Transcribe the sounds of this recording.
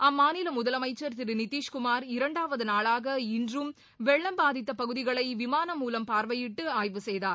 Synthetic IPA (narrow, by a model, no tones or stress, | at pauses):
ɐmːaːnɪlɐmʊðɐlɐmɐɪt͡ʃːɐɾt̪ɪɾɯnɪt̪ːiːʂkʊmaːɾɪɾɐɳɖaːʋɐðɯnaːɭaːɣɐɪndrɯm | ʋɛɭːɐmbaːðɪt̪̬ːɐpɐɣɯðɪɣɐɭɐɪʋɪmaːnɐmːuːlɐmpaːɾʋɐjɪʈːɯaːjʋɯsɛjðaːɾ